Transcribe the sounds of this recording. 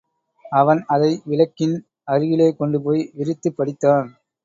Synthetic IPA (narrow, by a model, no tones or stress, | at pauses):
ɐʋɐnɐðɐɪʋɪlɐkːɪn | ɐɾɯjɪleːkɔɳɖɯpoːjʋɪɾɯt̪ːɯpːɐɽɪt̪ːaːn